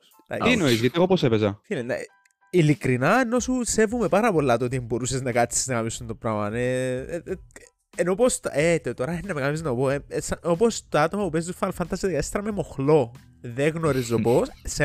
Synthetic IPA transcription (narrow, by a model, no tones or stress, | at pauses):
ɐ̰t̪inoizʝɐt̪ieɣoposepezɐfilinːɐ̰ | ilikɾinɐeno̞suse̞vume̞paɾɐpo̞lːɐt̪oot̪iembo̞ɾuseznɐkɐt͡sːi̥znɐkɐpisːunt̪o̞pɾamɐne | enopost̪et̪ot̪oɾɐnːɐmeɐmeiznɐopoesopost̪oat̪omɐpupezd̪ufɐlfɐnt̪ɐsiðekɐtest̪ɾɐmemoxlo̞ | ðeɣnoɾizoposse